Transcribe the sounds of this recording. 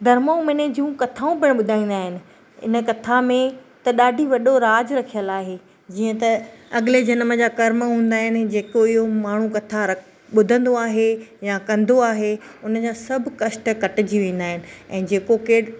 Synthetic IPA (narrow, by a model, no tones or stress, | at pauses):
d̪ʱɐɾmaũmɪned͡ʑũːkɐt̪ʰaːũbɪɽ̃ɓʊd̪ʱaːĩːnd̪aːɦɪnɪ̆ | ɪ̰nə̆kɐt̪ʰamẽt̪ɐɗaːɖʱiʋɐɗoɾaːd͡ʑɾɐkʰijəlaːɦe | d͡ʑiːə̃t̪ɐɐɠɪled͡ʑɐnmə̆d͡ʑaːkɐɾməɦũːn̆d̪aːɦɪnɪd͡ʑeːkoɪɦomaːɳ̤ũkɐt̪ʰaɾɐ | ɓʊd̪ʱə̃nd̪oaːɦejakɐ̃nd̪oaːɦeʊnə̆d͡ʑaːsɐbʱkɐʃʈkɐʈɪd͡ʑiʋẽːn̆d̪aːɦɪnɪ̆ɛ̃ːd͡ʑeːkokeː